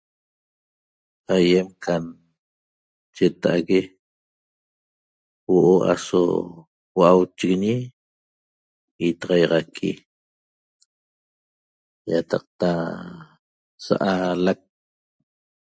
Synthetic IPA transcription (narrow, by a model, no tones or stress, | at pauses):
ajemkʰan | t͡ʃet̪aʔaɣe | woʔoa̰so̰ | waʔawt͡ʃeɣeɲi | it̪ɑʁɑjʁɑkʰi | jat̪ɑq̚t̪a | sa̰ʔalak̚